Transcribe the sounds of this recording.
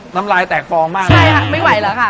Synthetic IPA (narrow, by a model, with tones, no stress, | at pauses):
naː˦˥mlaː˧jt̪ɛː˨˩k̚fɔː˧ŋmaː˥˩t͡ɕʰa˥˩jkʰa˧˩ma˥˩jwa˨˩˦jləː˨˦kʰa˥˩